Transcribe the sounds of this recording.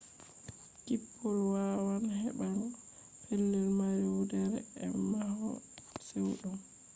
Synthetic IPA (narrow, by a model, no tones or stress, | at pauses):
kipʰːɔlwawanhɛɓaɾɔ | pʰɛlːɛlmaɾiwudɛɾɛ̰ɛmahɔ̰ | sewɗɔm